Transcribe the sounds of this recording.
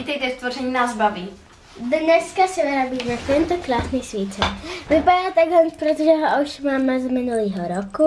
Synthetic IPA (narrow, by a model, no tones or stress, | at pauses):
iːt̪ɛjt̪ɛst̪vorɛɲiːnaːzbavi | dnɛskasɛnaɾabiːnafɛnt̪okɾaːsniːsʋiːt͡ʃɛvɪpadaːt̪aɡɦlɛnspɾot̪ɔʒɛɦoʔauʃmaːmɛzmɪnuliːɦoɾoku